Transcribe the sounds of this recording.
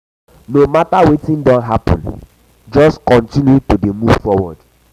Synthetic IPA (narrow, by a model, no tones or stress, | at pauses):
nomatawetĩndɔ̃nɦapɔ̰̃n | d͡ʒɔskɔ̃ntĩnjutudemuv̥fɔwɔd